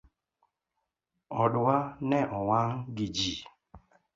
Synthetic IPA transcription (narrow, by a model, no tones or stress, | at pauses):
ɔɗʊwanɛʔɔwaŋɡid͡ʒi